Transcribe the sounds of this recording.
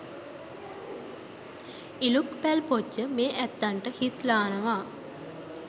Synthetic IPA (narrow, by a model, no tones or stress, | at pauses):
ilukpælpoəmeːʔæt̪ːaɳʈəhit̪laːnəʋaː